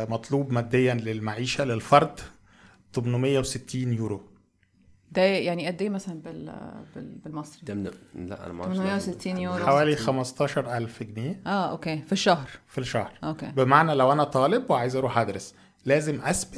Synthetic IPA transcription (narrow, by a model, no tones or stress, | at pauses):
mɑt̪ˤluːbmæːd̪ːejːænlelmaʕiːʃælelfɑɾˤd̪ | t̪omnmejːæwset̪ːiːnjuːɾo | d̪æjaʕniʔæd̪ːeːmæsælænbelbebelmɑsˤɾid̪læ̰ʔæ̰n̰mmejːæweset̪ːiːnjuːɾħawæːlixæmɑst̪ˤɑːʃɑɾˤʔælfeɡneːʔæːʔokeːfiʃːɑhɾfiʃɑhɾʔokḛːbemaʕnælæwʔænæt̪ˤɑːlebweʕaːjezʔɑɾuːħʔæd̪ɾes | læːzemʔæsbɪ